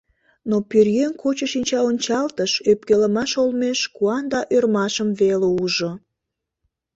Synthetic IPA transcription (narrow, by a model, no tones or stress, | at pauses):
nopyrjeŋkot͡ɕəʃinʲt͡ɕɑonʲt͡ɕɑlt̪əʃøpkeləmɑʃolmeʃkuɑnd̪ɑʔørmɑʃəmveleuʒo